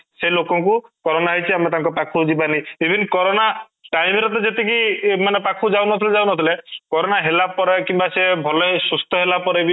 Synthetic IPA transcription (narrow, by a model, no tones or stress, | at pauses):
selokɔŋkukɔɾɔnaɦɔjt͡ʃʰiamet̪aŋkɔpakʰud͡ʒibaniibʱinkɔɾɔna | ʈajmeɾɔt̪̬ɔd͡ʒet̪ek̬imanepakʰud͡ʒawnɔt̪ʰiled͡ʒawnɔt̪ʰilekɔɾonaɦelapɔɾɔkimbasebʱɔlɔɦisust̪ʰɔɦelapɔɾebi